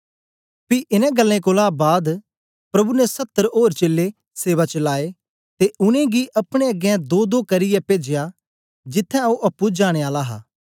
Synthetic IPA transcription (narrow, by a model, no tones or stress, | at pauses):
piʔɪnɛ̃ɡəlːẽkoːlabaːd̪ | pɾɐbunɛsɐt̪ːəɾɦoːɾt͡ʃeːlːe | seːʋat͡ʃəlaːe | t̪eʔʊnẽɡiʔɐpɽ̃ẽɐɡɛ̃d̪oːd̪oːkɐɾɪjɛpeːd͡ʒeja | d͡ʒɪt̪ʰːɛ̃oʔɐpːud͡ʒaːɽ̃eaːlaɦa̰ː